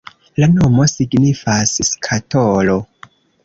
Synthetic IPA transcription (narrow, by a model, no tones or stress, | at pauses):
lanomo̞siɡnifasskʰatolo̞